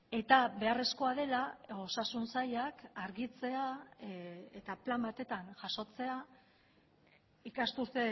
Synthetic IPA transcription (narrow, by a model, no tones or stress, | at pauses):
e̞t̪aβe̞are̞sko̞aðe̞lao̞sasunsajakaɾɣit͡se̞a | et̪aplambat̪e̞t̪anʝaso̞t͡se̞a | ikast̪uɾt̪e̞